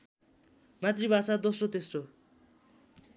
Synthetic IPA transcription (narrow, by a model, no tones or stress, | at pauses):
mat̪ribat͡sad̪osʈot̪esʈo